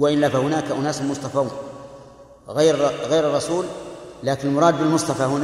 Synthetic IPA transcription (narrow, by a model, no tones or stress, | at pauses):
waʔɪnlafahʊnaːkaʔʊnaːsmʊsˤt̪ˤɑfauːn | ɣajɾɣajɾɨrˤːɑsuːllaːkɪnɪlmʊɾˤɑːd̪̚bɪlmʊsˤt̪ˤɑfahʊn